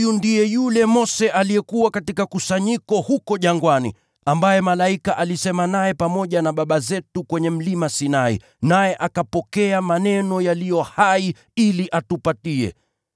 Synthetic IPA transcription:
jundijɛjulɛmɔsɛʔalijɛkuwakatikakusaɲikɔhukɔʄaŋɡwanḭ | ambajɛmalaikaʔalisɛmanajɛpamɔʄanaɓaɓazɛtukwɛɲɛm̩limasinaḭ | najɛʔakapɔkɛamanɛnɔjalijɔhai | iliʔatupatiɛ̰

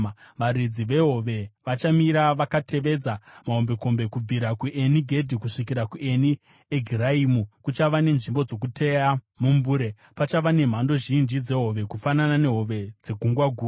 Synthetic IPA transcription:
ʋaɾid͡ziʋe̞ɦo̞ʋe̞ʋat͡ʃamiɾaʋakate̞ʋe̞d͡zamaɦombe̞ko̞mbe̞kub͡viɾakuʔe̞niɡʱe̞dʱikuʂik̬iɾakue̞ni | eɡʱiɾaimukut͡ʃaʋane̞nʐimbo̞d͡zo̞k̬utʰe̞ja | mumbuːɾe̞ | pat͡ʃaʋane̞m̤ando̞ʒind͡ʒid͡ze̞ɦo̞ʋe̞kufananane̞ɦo̞ʋe̞d͡ze̞ɡʱuŋɡwaɡʱuː

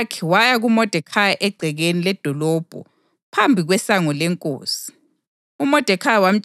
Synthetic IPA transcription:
kʰɛwajaɣumɔd̥ʱɛkʰajaʔɛɡ͡ǀʱɛɣenilɛd̥ʱɔlɔb̥ʱɔ̰ | pʰambʱiɣwɛsaŋɔlɛŋkʼo̰ːsi̥ | umɔd̥ʱɛkʰajawam̩t͡ʃ

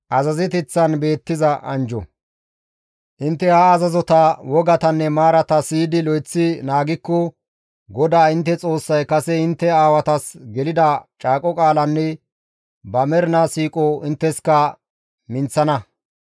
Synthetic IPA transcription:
ʔɐzɐzɛt̪ɛt͡sːɐnbe̞ːt̪ːɪzɐʔɐnd͡ʒɔ̰ | ʔɪnt̪ːɛhaːzɐzɔt̪ɐwɔɡɐt̪ɐnːɛmaːɾɐt̪ɐsiːd̪ɪlɔjt͡sːɪnaːɡɪkːɔ | ɡɔd̪aːɪnt̪ːɛt͡sʼo̞ːsːɐjkɐsɛɪnt̪ːɛaːwɐt̪ɐsɡɛlɪd̪ɐt͡ʃʼaːkʼɔkʼaːlɐnːɛ | bɐmɛɾnɐsiːkʼɔɪnt̪ːɛskɐ | mɪnt͡sːɐnɐ

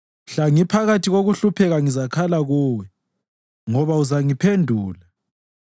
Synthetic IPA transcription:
ɬaŋipʰaɣatʰiɣoɣuɬupʰɛɣaŋizakʰalaɣuːwɛ | ŋɔβauzaŋipʰendʱuːla

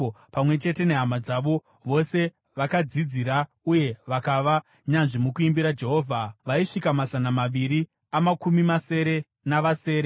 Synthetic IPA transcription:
pamwe̞t͡ʃe̞te̞ne̞ɦamad͡zaʋo̞ | ʋo̞se̞ | ʋakad͡zid͡ziɾa | uje̞ʋakaʋa | ɲanʐimukuimbiɾad͡ʒe̞ɦo̞ːvʱaʋaiʂikamazanamaʋiɾi | amakumimase̞ɾe̞ | naʋase̞ːɾe

